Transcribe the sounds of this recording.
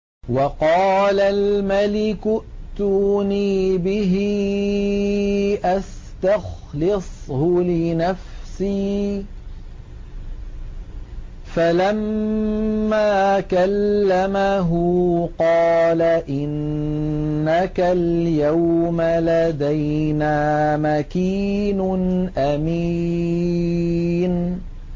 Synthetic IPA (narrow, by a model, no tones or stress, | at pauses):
wɑqɑːlalmalɪkʊʔt̪uːniːbɪɦ | ʔas | t̪ax | lɪsˤhʊlɪnafsiː | falamː | aːkalːamaɦʊqɑːlaʔɪnː | akaljawmalad̪ajnaːmakiːnʊnʔami | n